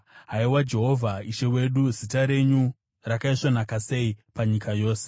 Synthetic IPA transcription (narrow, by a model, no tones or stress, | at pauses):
ɦaiwad͡ʒe̞ɦo̞vʱaiʃe̞we̞ɗuzitaɾe̞ɲu | rakaiʂonakase̞ipaɲikajo̞ːse̥